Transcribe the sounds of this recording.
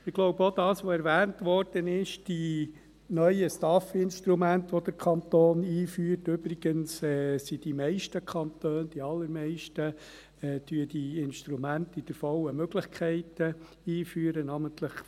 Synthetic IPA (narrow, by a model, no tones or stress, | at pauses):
ɪɡ̥loʊbəod̥̪ɑːsʋoɛɾʋæːntʋɔɾd̥ənɪʃd̥i | nœʏəstɑfɪnʃtɾumæntʋɔd̪əɾkʰɑnt̪oːniːfyːɾtʏb̥ɾɪɡ̥ənsɛsid̥imɛɪʃtəkʰχɑntøːnd̥iɑlːəɾmɛɪʃtə | ɛːd̥yəd̥iɪnʃtɾumæntid̥əɾfɔwəmøɡləχkʰɛɪtə | iːfyːəɾənɑːmənt̪ləχ